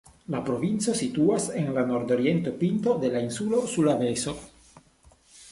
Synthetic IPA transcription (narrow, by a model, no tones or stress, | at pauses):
lapɾo̞vint͡so̞sit̪uase̞nlano̞ɾd̪o̞ɾie̞nt̪o̞pint̪o̞d̪e̞lainsulo̞sulave̞so̞